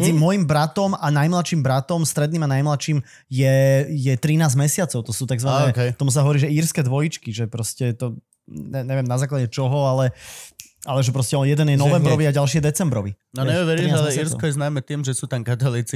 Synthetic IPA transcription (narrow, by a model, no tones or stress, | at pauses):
zimɔjimbɾat̪ɔmanajmlatʃiːmbɾat̪ɔmst̪ɾɛd̪niːmanajmlaʃiːm | jɛjɛt̪ɾinaːzmɛsɪat͡sɔʊt̪ɔsuːt̪aɡzʋanɛːkɛt̪ɔmus̬aɦɔʋɔɾiːʒɛiːɾskɛːd̪ʋɔjit͡ʃkiʒɛpɾɔscɛt̪ɔ | ɲɛɲɛʋɛmnazaːklaɟɛt͡ʃɔɦɔalɛ | alɛʒɛpɾɔscɛɔnjɛd̪ɛnjɛnɔʋɛmbɾɾɔʋiaɟalʃ̬ijɛd̪ɛt͡sɛmbɾɔʋi | nɔɲɛuʋɛɾɾiialɛiːɾskɔjɛznaːmɛt̪iːmʒɛsuːt̪amkat̪aliːt͡si